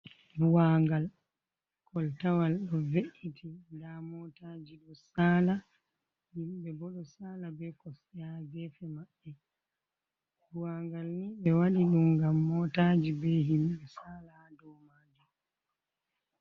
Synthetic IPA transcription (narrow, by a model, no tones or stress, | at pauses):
buwaŋɡal | kʰɔltawalɗɔveʔitʰindamɔtaːd͡ʒiɗɔsaːla | himɓɛbɔɗɔsaːlabɛkɔsɛjaɡɛfɛmaɓːɛ | buwaŋɡalniɓɛwaɗiɗumɡamːɔtaːd͡ʒibɛɦimɓɛsaːla | dɔwmaːdɛ